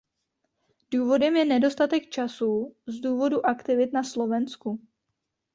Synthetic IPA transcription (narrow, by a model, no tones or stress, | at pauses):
d̥uːvo̞dɛmjɛnɛdo̞st̪at̪ɛkt͡ʃasuːzduːvo̞duʔakt̪ɪvɪt̪naslo̞vɛnsku